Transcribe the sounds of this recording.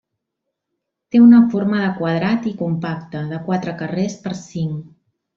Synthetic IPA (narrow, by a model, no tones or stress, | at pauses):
t̪eunəfoɾməðəkwəð̞ɾat̪ikumpak̚t̪əðəkwat̪ɾəkərespəɾsiŋ